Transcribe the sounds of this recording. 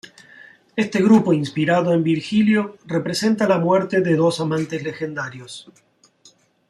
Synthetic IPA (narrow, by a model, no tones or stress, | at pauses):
est̪e̞ɣɾupo̞inspiɾaðoe̞mbiɾxiljo̞re̞pɾese̞nt̪alamweɾt̪eðeðo̞samãnt̪ezle̞xe̞nd̪aɾjos